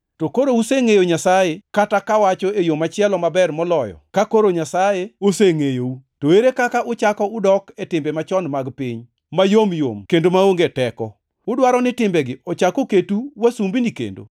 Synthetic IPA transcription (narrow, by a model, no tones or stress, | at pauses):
tokoɾouseŋejoɲasajekatakawat͡ʃɔejomat͡ʃɪɛlɔmabɛrmɔlɔjɔ̰kakoɾoɲasajeoseŋejoutoweɾekakaʔʊt͡ʃakɔʊdɔketɪmbemat͡ʃɔnmaɡpiɲ | majomjo̰mkendomaoŋɡetɛkɔ | ʊdwaɾɔnɪtɪmbɛɡɪɔt͡ʃakoketuwasumbinikḛndo̰